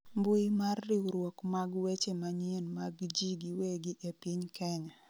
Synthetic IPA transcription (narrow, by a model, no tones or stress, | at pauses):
mbʊimarːiuɾwɔkmaɡwet͡ʃemaɲenmaɡd͡ʒiɡɪweɡɪʔepiɲkɛɲa